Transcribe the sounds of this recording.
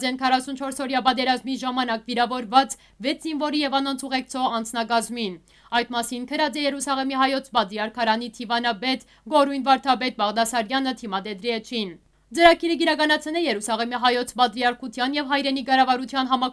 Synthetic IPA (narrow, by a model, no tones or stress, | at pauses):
d͡zɛnkʰɑrɑsunt͡ʃʰɔɾsɔɾjɑbɑt̪ɛɾɑzmiʒɑmɑnɑkviɾɑvɔɾvɑt͡s | vɛt͡sʰzinvɔɾijɛvɑnɔnt͡sʰuʁɛk̚t͡sʰɔʁɑnt͡sʰnɑkɑzmin | ɑjt̪mɑsinkʰəɾɑd͡zɛjɛɾusɑʁɛmiɦɑjɔt͡sʰbɑt̪ɾiɑɾkʰɑɾɑnit̪ʰivɑnɑbɛt̪ | ɡɔɾujnvɑɾt̪ʰɑbɛt̪̚bɑʁd̪ɑsɑɾjɑnət̪ʰimɑd̪ɛd̪ɾiɛt͡ʃʰin | d͡zəɾɑkiɾəɡiɾɑkɑnɑt͡sʰnɛjɛɾusɑʁɛmiɦɑjɔt͡sʰbɑt̪ɾiɑɾkʰut̪ʰjɑnjɛvɦɑjɾɛniɡɑɾɑvɑɾut̪ʰjɑnɦɑmɑ